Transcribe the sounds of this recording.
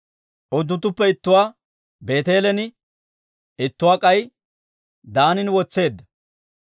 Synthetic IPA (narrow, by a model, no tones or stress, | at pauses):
ʔɔd̪ːʊnt̪ːʊpːɛɪt̪ːʊwaː | be̞ːt̪e̞ːlɛnɪ | ɪt̪ːʊwaːkʼɐj | d̪aːnɪnwɔt͡sːe̞ːd̪ːɐ